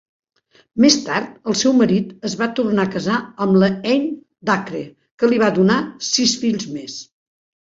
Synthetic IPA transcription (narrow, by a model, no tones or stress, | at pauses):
mest̪aɾt̪əlˠsɛwməɾit̪əzβat̪urnakəzaəmləɛʎɲ | d̪akɾe | kəliβ̞adunasisfiʎzmes